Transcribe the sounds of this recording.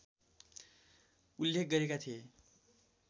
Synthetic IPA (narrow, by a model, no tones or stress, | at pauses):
ulːek̚ɡʌɾekat̪ʰie